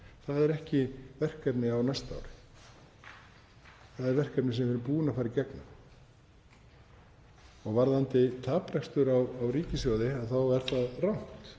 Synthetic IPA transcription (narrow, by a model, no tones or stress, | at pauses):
θaðɛɾɛhcɪvɛr̥kɛpnɪawnɛst̪a̰ːwɾɪ̥ | θaðɛɾvɛr̥kɛɾpnɪs̬ɛmvɛɾʏmpuːnafaːɾɪɾcɛknʏ̰m | ɔɣvaɾðant̪ɪt̪ʰaːpɾɛkst̪ʏɾawawriːcɪsjɔwðɪaðθawɛɾ̥θaðrawn̥t̪